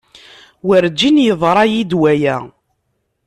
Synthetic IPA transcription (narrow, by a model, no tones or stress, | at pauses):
wəɾd͡ʒːinjəðˤɾˤɑjid̪wæjæ